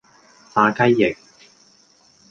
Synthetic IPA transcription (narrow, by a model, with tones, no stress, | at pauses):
saː˧kɐ˥jːɪ˨k̚